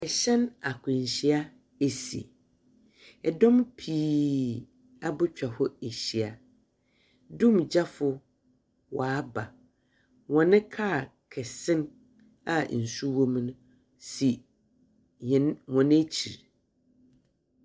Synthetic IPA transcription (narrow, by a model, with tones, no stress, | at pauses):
ɛ˨ɕɛ̃˦na˨kʰʊ̃˨ɲ˨ɕi˦a˦ | e˨sḭ˨ | ɛ˨dɔ̃˦mpʰiː˦˨˦ | a˨bʊ˦t͡ɕᶣa˨hʊ˦e˨ɕi˨a˨ | dũ˦md͡ʑa˦fʊ˨ | wʔaː˨˦ba˨ | wɔ̃˨nɪ̃˦kʰaː˦˨kʰɛ˨sɪ̃˦n | a˦˨n̩˨su˦wo˦m˦nʊ̃˦ | si˨ | ɲɛ˨nwɔ̃˨nɪ̃˦t͡ɕʰḭ˨ɾ